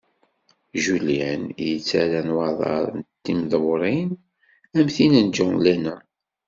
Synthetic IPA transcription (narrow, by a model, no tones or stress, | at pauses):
ʒulænjət͡sːæɾænwɑðˤɑ̰ɾˤnt̪ːimðˤwɾˤin | æmθinənd͡ʒʊnlænæ